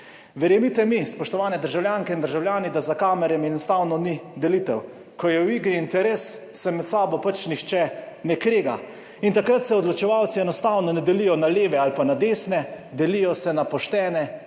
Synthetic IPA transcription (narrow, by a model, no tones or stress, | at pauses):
ʋɛɾjɛmit̪ɛmispɔʃt̪ɔʋaːnɛd̪əɾʒawljaːŋkɛind̪əɾʒawljaːnid̪azakaːmɛɾɛmɛnɔst̪aːwnɔnid̪ɛlit̪ɛw | kɔjɛwiɡɾiint̪ɛɾesː | ɛmɛt̪saːbɔpat͡ʃnixt͡ʃɛnɛkɾeːɡa̰ | int̪akɾat̪sɛɔd̪lɔt͡ʃɛʋaːwt̪siɛnɔst̪aːwnɔnɛd̪ɛlijɔnaleːʋɛalpanad̪eːsnɛ | d̪ɛlijɔsɛnapɔʃt̪ɛːnɛ